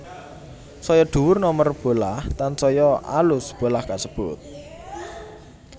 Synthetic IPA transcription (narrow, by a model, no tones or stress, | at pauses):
sɔjɔɖ̪̥ṳwʊrnɔmərb̥o̤laht̪ansɔjɔʔa̰lʊsb̥o̤lahkaʔsəb̥ʊt̪̚